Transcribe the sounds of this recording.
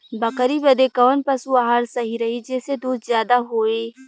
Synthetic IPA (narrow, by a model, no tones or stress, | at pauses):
bɐkəɾibɐd̪ekɔːnpɐsuaɦaɾsɐɦiɾɐɦid͡ʒɛːsed̪uːt̪zjaːd̪aɦoːeː